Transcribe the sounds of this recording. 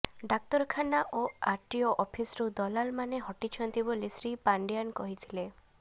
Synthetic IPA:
ɖak̚t̪ɔɾkʰanaʔoaɾʈijɔʔɔpʰisɾud̪ɔlalmaneɦɔʈit͡ʃʰɔnt̪ibolisɾipaɳɖijankɔɦit̪ʰile

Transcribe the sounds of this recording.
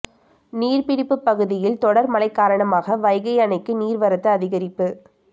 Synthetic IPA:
niːrpɪɽɪpːɯpːɐɣɯðɪjɪlt̪ɔɽɐɾmɐlɐɪkːaːɾɐɳɐmaːɣɐʋɐɪɣɐɪɐnɐɪkːɯniːɾʋɐɾɐt̪ːɯɐðɪɣɐɾɪpːɯ

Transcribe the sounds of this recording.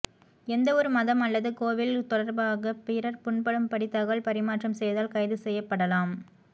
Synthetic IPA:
ɛnd̪ɐɔɾɯmɐðɐmɐlːɐðɯkoːʋɪlt̪ɔɽɐɾbaːɣɐpɪɾɐɾpʊɳpɐɽɯmpɐɽɪt̪ːɐɣɐɭpɐɾɪmaːʈrɐmsɛjðaːlkɐjɪðɯsɛjːɐpːɐɽɐlaːm

